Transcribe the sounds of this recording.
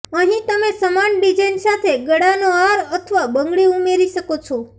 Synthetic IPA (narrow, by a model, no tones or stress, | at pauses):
əɦĩt̪əmesəmanɖid͡ʒəjnsat̪ʰeɡəɽanoaɾət̪ʰəʋabəŋɡɭiumeɾiʃəkot͡ʃʰo